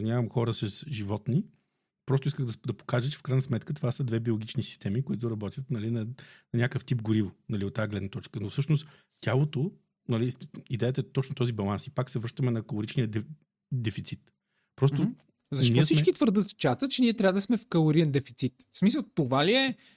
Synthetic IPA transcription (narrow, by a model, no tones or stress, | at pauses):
nʲavɐmxɔɾəsɐsʒivɔt̪ni | pɾɔst̪ʊiskəɣd̪ɐd̪ɐpo̥kaʒət͡ʃɛfkɾajnsmɛt̪kət̪ovasəd̪vɛbiolˠɡit͡ʃnisi̥st̪ɛmikʊit̪ʊɾɐbɔt̪jət̪nɐlinɐnɐnʲakəft̪ip̚ɡʊɾivonɐliot̪ːaːɡlɛd̪nɐt̪ɔt͡ʃkənofsɤʃnost̪ | t̪ʲjalˠot̪o | nɐliid̪ɛjət̪əɛt̪ɔt͡ʃnot̪ɔzibɐlˠansipaksɛvəɾʃt̪əmɛnɐkəlˠoɾit͡ʃniəd̪ɛ | d̪ɛfit̪sit̪ | pɾɔst̪o | zɐʃtniɔɛsimt͡ʃɛkit̪vəɾd̪əst͡ʃat̪ət̪̚t͡ʃɛniɛt̪ɾʲabəd̪əsmɛfkɐlˠoɾiɛnd̪ɛfi̥t̪sit̪smis̬əlˠt̪ovaliɛ